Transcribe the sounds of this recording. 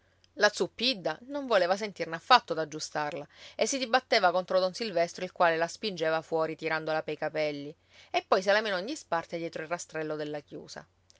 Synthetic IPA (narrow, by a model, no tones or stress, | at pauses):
lat̪supːid̪ːanoɱvoleːvasent̪irnafːat̪ːod̪ad͡ʒːust̪arlaesːid̪ibat̪ːeːvakont̪ɾod̪onsilvɛst̪ɾoilkwaːlelaspind͡ʒeːvafwɔːɾit̪iɾand̪olapejkapɛlːi | epːɔjs̬elameːnooɲːispart̪ed̪jɛːt̪ɾoilrast̪ɾɛlːod̪elːakjṵːsa̰